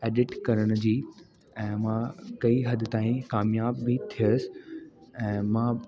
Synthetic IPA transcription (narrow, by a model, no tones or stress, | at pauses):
eːɖɪʈkɐɾəɽ̃ʊ̆d͡ʑiː | ɛ̃ːmãkɐiɦɐd̪ʱɪ̆t̪aːĩkaːmjaːbːɪt̪ʰijəsɪ̥ɛ̃ːmã